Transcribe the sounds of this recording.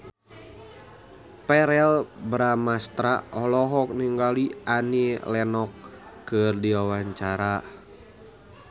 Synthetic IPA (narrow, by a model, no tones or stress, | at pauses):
pɛɾɛlbɾamast̪ɾaɔlɔɦɔk̚niŋɡaliʔanilɛnɔkːərdiwawaɲt͡ʃaɾa